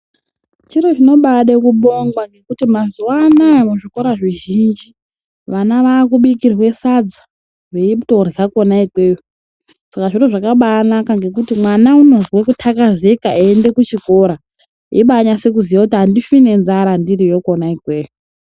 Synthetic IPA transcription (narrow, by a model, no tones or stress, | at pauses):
t͡ʃiɾot͡ʃino̞ɓaɗekuɓo̞ŋɡwaŋɡe̞kutimazuwaːnaemuʐiko̞ɾaʐiʒind͡ʒi | ʋanaʋaːk̬uɓikirwe̞sad͡za | ʋeitorako̞naikwe̞ːju | sakaʐiɾoʐakaɓanakaŋɡe̞k̬utimwanauno̞zwekutʰakazekaiende̞kut͡ʃiko̞ɾa | iɓaɲase̞kuzijakutiɦandifine̞nzaɾandiɾijo̞konaikwe̞ːju